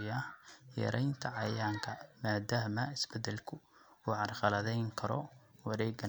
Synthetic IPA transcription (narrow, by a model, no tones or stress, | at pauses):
jɐjɛ̰ɾʔɛjnt̪ʰɐʕɑjaːŋkʰɐmaːd̪aːɦmɐɪsbɛd̪ɛlkʰʊ | uːʕɑrχɑlɐðɛjŋkʰɐɾɔ | wɐɾɛːɡɐ